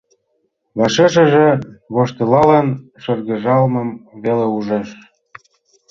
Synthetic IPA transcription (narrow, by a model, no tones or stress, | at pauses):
βɑʃeʃ̬ə̆ʒĕβoʃt̪ɤ̆lɑlɑnʃɤ̆rɣə̆ʒɑlmɤ̆mβeleuʒɑʃ